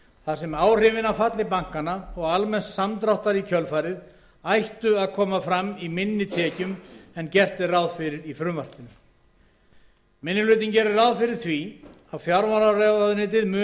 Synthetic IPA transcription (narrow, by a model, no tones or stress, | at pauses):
θasɛmaːwr̥ɪːvɪnawfat̪lɪpaŋ̥kanaɔɣalmɛn̥t̪samt̪ɾawht̪aɾicʰœlfajɾɪð | ajht̪ʏaðkʰɔːmafɾamːimɪnːɪt̪ʰɛːcʏmɛncɛr̥t̪ɪrawðfɪɾɪɾifɾʏːmvar̥t̪ɪnʏ | mɪnːɪlʏːt̪̬incɛɾɪrawðfɪɾɪɾ̥θvi | awfjaɾvaɾarɛvaðʏnɪːt̪̬ɪðmʏ